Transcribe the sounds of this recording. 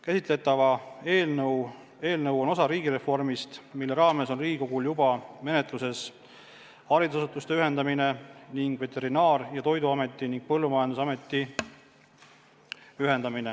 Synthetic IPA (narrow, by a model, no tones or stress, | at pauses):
kæsit̪ˑle̞t̪ːˑɑvɑeːlnɤw | e̞ːlnɤwo̞nosɑɾiːɡiɾe̞fo̞rmist̪milːe̞ɾɑːme̞so̞nriːɡiko̞ɡ̥uljubɑme̞ne̞t̪ˑluse̞s | hɑɾid̪usɑsut̪ːˑust̪e̞yɦe̞nd̪ɑmine̞niŋɡ̥ve̞t̪ːe̞ɾinɑːrjɑt̪o̞jd̪uɑme̞t̪ːˑiniŋɡ̥̚pɤlːumɑjɑnd̪usɑme̞t̪ːˑi | yɦe̞nd̪ɑmine